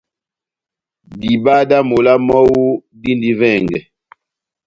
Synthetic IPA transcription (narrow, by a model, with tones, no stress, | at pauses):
di˨ba˦da˦mo˨la˦mɔ˦wu˦ | di˦ndi˨vɛ˦˨ŋɡɛ˨